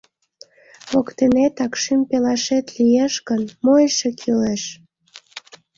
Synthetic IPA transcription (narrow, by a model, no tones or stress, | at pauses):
βokt̪enet̪ɑkʃympelɑʃet̪lijeʃkənmojʃekʰileʃ